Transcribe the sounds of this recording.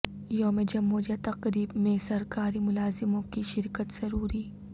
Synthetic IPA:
joːmed͡ʒɐmːoːd͡ʒat̪ɐqɾiːbmẽsɐɾkaːɾimʊlaːzɪmõkiʃɪɾkət̪z̥ɐɾuːɾiː

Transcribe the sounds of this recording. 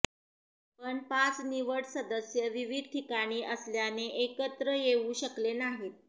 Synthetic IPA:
pəɳpat͡sniʋəɽsəd̪əsjəʋiʋid̪̚ʱʈʰikaɽ̃iːʔəsljaneʔekət̪ɾəjeʋuɕəklenaɦiːt̪̚

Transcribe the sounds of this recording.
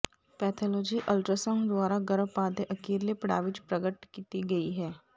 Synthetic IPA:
pɛːt̪ʰoːlɔːd͡ʒiʔəlʈɾəsə̃ŋd̪waːɾaɡɐɾəbpaːd̪eʔɐkeːɾlepəɽa̰ːʋɪt͡ʃpɾəɡəʈkiːt̪iɡɐiɦɛː

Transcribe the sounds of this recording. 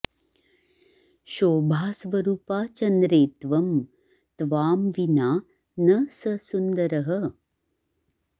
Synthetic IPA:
ʃoːbʱaːsʋɐɾuːpaːt͡ʃɐnd̪ɾeːt̪ʋɐm | t̪ʋaːmʋinaː | nɐsɐsund̪ɐɾɐɦə

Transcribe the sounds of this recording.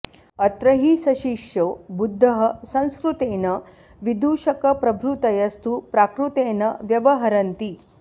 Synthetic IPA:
ɐt̪ɾɐɦisɐʃiʂjobud̪ʱːɐɦɐsɐ̃ñskɾut̪eːnɐ | ʋid̪uːʃɐkɐpɾɐbʱɾut̪ɐjɐst̪upɾaːkɾut̪eːnɐʋjɐʋɐɦɐɾɐnt̪i

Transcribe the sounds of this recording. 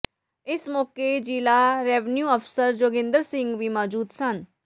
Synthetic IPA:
ɪsmɔːked͡ʒiːlaɾeːʋnjuːəfʰsəɾd͡ʒoːɡɪ̃nd̪əɾsɪ̃ŋɡʋimɔːd͡ʒuːd̪sən

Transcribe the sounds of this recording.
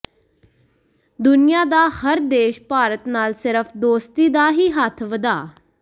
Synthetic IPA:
d̪ʊnɪjaːd̪aːhəɾd̪eːʃpaːɾət̪naːlsɪɾəpʰd̪oːst̪iːd̪aːɦiːɦət̪ʰʋəd̪aː

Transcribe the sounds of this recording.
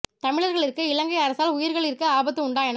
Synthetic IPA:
t̪ɐmɪɭɐɾɣɐɭɪɾɯkːɯɪlɐŋɡɐɪɐɾɐsaːlʊjɪɾɣɐɭɪɾɯkːɯaːbɐt̪ːɯʊɳɖaːjɐn

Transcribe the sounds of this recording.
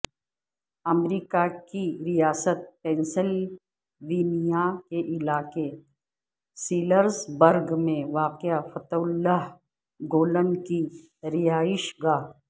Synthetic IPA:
ɐmɾiːkakiɾijaːsət̪̚pɛ̃ːnsɪl | ʋiːnijakeʔɪlaːke | siːləɾzbəɾɡmẽʋaːqɪjafɐt̪ʊlːaɦ | ɡoːlənki | ɾɪjaːɪʃɡaː

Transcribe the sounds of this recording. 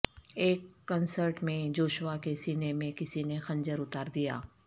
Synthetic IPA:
eːkːɐnsəɾʈmẽd͡ʒoːʃʋakesiːnemẽkɪsinexɐ̃nd͡ʒəɾʊt̪aːɾd̪ija̰ː

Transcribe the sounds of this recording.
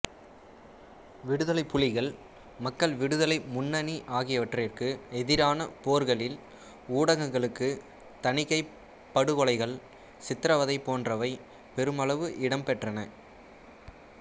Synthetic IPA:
ʋɪɽɯðɐlɐɪpːʊɭɪɣɐɭ | mɐkːɐɭʋɪɽɯðɐlɐɪmʊnːɐniʔaːɣɪjɐʋɐʈrɪrkɯɛðɪɾaːnɐpoːɾɣɐɭɪl | uːɽɐɣɐŋɡɐɭɯkːɯ | t̪ɐnɪkːɐɪ | pːɐɽɯɣɔɭɐɪɣɐɭ | sɪt̪ːɾɐʋɐðɐɪpːoːndrɐʋɐɪ | pɛɾɯmɐɭɐʋɯʔɪɽɐmpɛʈrɐnɐ

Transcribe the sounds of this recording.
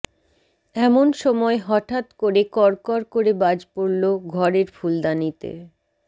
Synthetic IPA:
ɛmonʃɔmɔeɦɔʈat̪koɾekɔɾkɔɾkoɾebad͡ʑpoɾloɡʱɔɾeɾfuld̪anit̪ḛ

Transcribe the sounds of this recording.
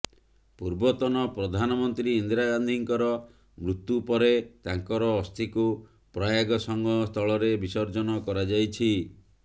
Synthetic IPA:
puɾbɔt̪ɔnɔpɾɔd̪ʱanɔmɔnt̪ɾiːnd̪ɾaɡand̪ʱiŋkɔɾɔ | mɾut̪ːupɔɾet̪aŋkɔɾɔːst̪ʰiku | pɾɔjaɡɔsɔŋɡʱɔst̪ʰɔɭɔɾebisɔɾd͡ʒɔnɔkɔɾad͡ʒajt͡ʃʰi

